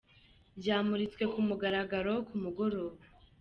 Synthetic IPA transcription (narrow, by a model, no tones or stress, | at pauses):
bɟaːmuɾit͡skwe̞kumuɡaɾaɡaɾo̞kumuɡoɾoβa